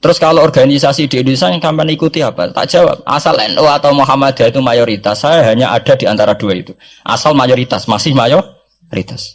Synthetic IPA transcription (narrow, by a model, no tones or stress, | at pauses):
t̪əɾʊskaloɔrɡanisasid̥iːndunisakampanikut̪iapa̰t̪a̰ʔd͡ʒ̥awa̰p̚ʔa̰salɛ̰nʔoat̪awmoɦamad̪̥ait̪umajoɾit̪asːajaɦaɲaʔaɖ̥a̤d̥iant̪aɾad̥uaḭt̪u | ʔa̰salmajɔɾit̪asmasɪhmajɔ | ɾḭt̪as